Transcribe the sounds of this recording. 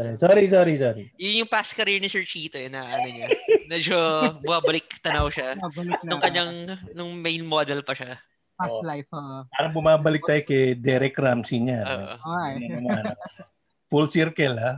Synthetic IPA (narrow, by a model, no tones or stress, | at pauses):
saɾisoːɾisoɾisoːɾijʊnjʊŋpaskɐɾɪɹnɪsɛɹt͡ʃiːt̪ojnɐʔɐnoɲamɐd͡ʒobʊmaːbɐlɪk̚t̪ɐnɐwʃabɐlnʊŋkɐɲaŋnʊŋmejnmoːd̪ɛlpɐʃa | palajfoʔpaːɾɐŋbʊmaːbɐlɪk̚t̪aːjokɛd̪ɛɾɛkɾamsiɲao̰ːʔʔo̰nɐɐmanɐ | fulsiɾkɛla